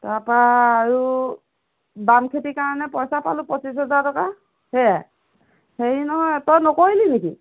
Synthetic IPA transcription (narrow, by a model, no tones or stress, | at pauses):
taɹpaːɹu | bamkʰetikaɹɔnɛpɔjsapa̰lʊpɔsis̬ɦɛzaɹtɔka | hejaj | xeɹinɔɦɔjtɔjnɔkoɹilineki